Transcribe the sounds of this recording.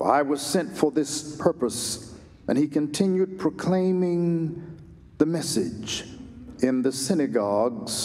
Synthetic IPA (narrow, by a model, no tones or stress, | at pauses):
a̰ɪwʌz̥sɛ̃ntfə˞ðɪspʰɜ˞pəs | ʔɨ̰̃nikɨ̃ntʰɪ̃njʉd̚pʰɹ̥əkʰl̥ẽɪ̃mɪ̃ŋ | ðɨmɛsɪd͡ʒ | ɪ̃nðɨsɪnɨɡɑɡz̥